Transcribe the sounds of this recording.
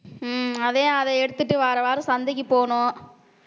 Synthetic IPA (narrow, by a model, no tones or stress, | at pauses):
ɐðeːɐðɛɛɽɯt̪ːɯʈːɯʋaːɾɐʋaːɾɯsɐnd̪ɪk̬ʲːipoːɳʊ̃